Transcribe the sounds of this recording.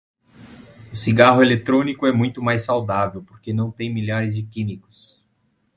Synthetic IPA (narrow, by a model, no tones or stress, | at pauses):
ʊsiɡaɦʊelet̪ɾõnikʊɛmũj̃t̪ʊmajsːawd̪avewpoɾkenɐ̃w̃t̪ẽj̃milaɾɪzd͡ʒɪkĩnikʊ̥s